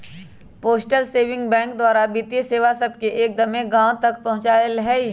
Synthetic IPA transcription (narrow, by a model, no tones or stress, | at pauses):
poːsʈəlseːʋɪ̃ŋɡbɛ̃ːŋk̚d̪waːɾabiːt̪jeseːʋasɐb̚keʔeːk̚d̪ɐmẽɡãːw̃t̪ɐkpɐɦʊ̃t͡ʃaːəlɦɛ